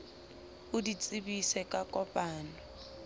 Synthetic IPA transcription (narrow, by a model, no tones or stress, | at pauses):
ʊdit͡sʼibisɛkʼakʼɔpʼaːnɔ